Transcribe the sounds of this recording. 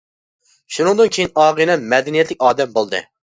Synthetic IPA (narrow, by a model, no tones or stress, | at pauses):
ʃunɨŋd̪ɨnkʲʰejinɑːʁɨnɛnmɛd̪ɛnijɛt̪lɪkʲɑːd̪ɛmbolˠd̪ɨ̰